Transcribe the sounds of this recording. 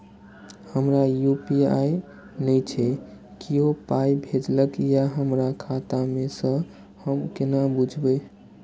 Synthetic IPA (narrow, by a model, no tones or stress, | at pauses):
həmɾajupia̰j | nəjt͡ʃʰɛ | kiɦopajbʱed͡ʒləkjaɦəmɾakʰat̪amesə̃ | həmkenabud͡ʒʱbəj